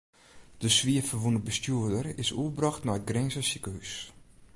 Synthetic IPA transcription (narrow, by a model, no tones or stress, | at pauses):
d̥əsʋiəfərʋunəbəstjuədərɪsuəbrɑxtnaət̚ɡrɛnzəsikəhys